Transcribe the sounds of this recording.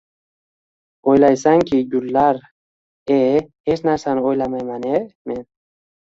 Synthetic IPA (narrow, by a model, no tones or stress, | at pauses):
ojlajsaŋkʰiɡulːaɾ | ehet͡ʃnaɾsanojlamajmanemen